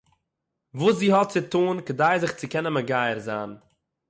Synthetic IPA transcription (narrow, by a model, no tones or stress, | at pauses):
vuːs̬ziːhɔt̚t͡sɪtuːnkədaɪzɪχt͡sɪkɛnəməɡaɪəɾza̰ːn